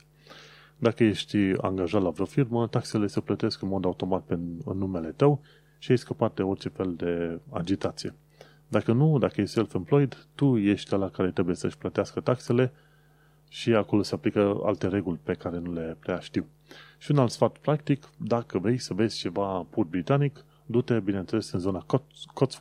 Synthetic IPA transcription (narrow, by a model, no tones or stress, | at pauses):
d̪akəje̞ʃt̪ʲa̰ŋɡaʒat̪lavofirmət̪aksele̞səplət̪e̞skɨnmo̞d̪aut̪o̞mat̪̚peɨ̰nːume̞le̞t̪əw | ʃieʃskəpat̪̚d̪e̞o̞rt͡ʃe̞fe̞ld̪e̞a̰d͡ʒit̪at̪sije̞ | d̪akənud̪akəjeʃt̪ʲselfenplojd̪t̪uje̞ʃt̪ʲt̪alakaɾe̞t̪ɾe̞buje̞səʃʲplət̪easkət̪akse̞le̞ | ʃiako̞lo̞se̞aplikəa̰lt̪e̞ɾe̞ɡulʲpe̞kaɾenule̞pɾeaʃt̪iw | ʃiunalt̪sfat̪pɾakt̪ikd̪akəvɾe̞jsəve̞z̥ʲt͡ʃe̞vapur̚bɾit̪anik | d̪ut̪ebine̞nt̪sele̞sɨnzo̞nakot̪